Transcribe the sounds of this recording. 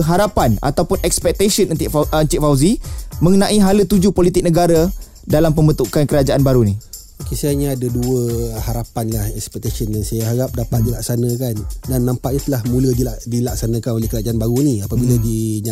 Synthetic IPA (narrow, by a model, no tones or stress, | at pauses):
ɦaɾapana̰t̪awpʊnʔɛk̚spɛk̚t̪asənəiənt͡ʃ̪iʔfawzimə̃ŋənãʔiɦalət̪ud͡ʒupolit̪ɪk̚nəɡaɾa | dalampəmbət̪ukankəɾad͡ʒaʔanbaɾuni | akisajaɲãadaduəhaɾapanlahɛkspɛk̚t̪asənjaŋsajaɦaɾap̚dapat̪̚dilak̚sanə̃kandanːãmpaʔ̚ɲat̪əlahmũlədiadilaksanãkanolehkəɾad͡ʒaanbaɾuniapabiladiɲa